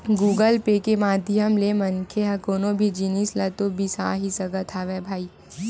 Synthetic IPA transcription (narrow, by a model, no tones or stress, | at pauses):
ɡuːɡəlpekemaːd̪ʱjəmlemɐnkʰeɦɐ̃koːnobʱid͡ʒinislɐt̪obʱisaːɦisɐɡət̪ʰaʋɛbʱaːiː